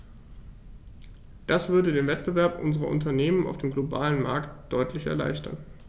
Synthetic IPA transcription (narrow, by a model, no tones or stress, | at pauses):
d̥asv̥ʏɐdədeːnvɛt̚b̥əvɛɐpʔʊ̰nzəʁɐ̰ʔʊ̰ntɐneːməna̰ʊfd̥eːmɡloba̰ːlənma̰ɐktd̥ɔʏtʰlɪçɛ̰ɐla̰ɪçtʰɐ̰n